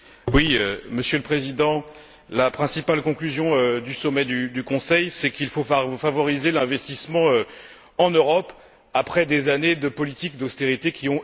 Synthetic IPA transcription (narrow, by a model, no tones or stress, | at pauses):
wiøməsjøləpχezid̪ɑ̃ | lapχɛ̃sipalkɔ̃klyzjɔ̃ød̪ysɔmɛd̪yd̪ykɔ̃sɛjsɛkilfofavɔʁizelɛ̃vɛst̪ismɑ̃ø | ɑ̃nøʁɔp | apχɛd̪ezaned̪əpɔlit̪ik̚d̪ost̪eʁit̪ekʲiɔ̃